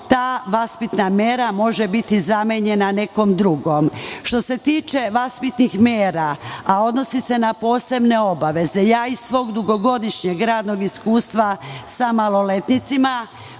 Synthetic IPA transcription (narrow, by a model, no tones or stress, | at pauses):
t̪aːʋaspit̪namje̞ɾamo̞ʒe̞bit̪izameɲe̞nane̞ko̞md̪ɾuɡoːmʃt̪o̞se̞t̪iːt͡ʃe̞ʋaspit̪nixmjeːɾaao̞d̪no̞sise̞napo̞ːse̞bne̞o̞baʋe̞ze̞jaːisʋo̞ːɡd̪uɡo̞ɡo̞d̪iʃɲeɡɾaːd̪no̞ɡiskuːst̪ʋasamalˠo̞le̞t̪nit̪sima